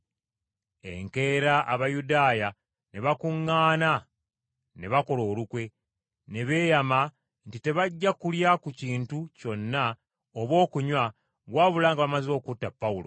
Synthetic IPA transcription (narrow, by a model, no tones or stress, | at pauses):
e̞̰ŋke̞ɾaʔaβajudaːja | ne̞βakuŋːaːna | ne̞βako̞lo̞ːlukwe̞ | ne̞βe̞ːjama | ntite̞βaɟːakuljakuciːntuco̞nːa | oβwo̞ːkuɲwa | βwaːβulaːŋɡaβamazo̞ːkutːapːaulo̞̰